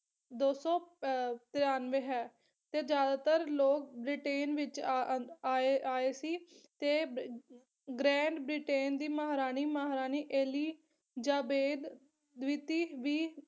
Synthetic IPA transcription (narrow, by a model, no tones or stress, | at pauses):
d̪oːsɔ̃ːt̪ɪɾaːnʋeːɦɛː | t̪eːd͡ʒjaːd̪aːt̪əɾloːk̚bɾiʈeːnʋɪt͡ʃː | eaːeːsiːt̪eː | ɡɾɛ̃ːɳɖbɾiːʈeːnd̪iːmaːɦɾaːniːmaːɦɾaːniːʔeːliː | d͡ʒaːbeːd̪ | ʋit̪iːʋiː